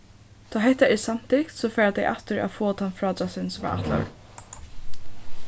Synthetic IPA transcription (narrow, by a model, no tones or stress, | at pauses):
t̪ʰaːɦɛht̪ːaɛsam̥t̪ɪkt̪sɔfɛːɾat̪ɛjʔaft̪ɪɾa̰ðfoːt̪ʰanfɾɔːt̪asɪnsva̰ʔa̰ht̪la̰ɾ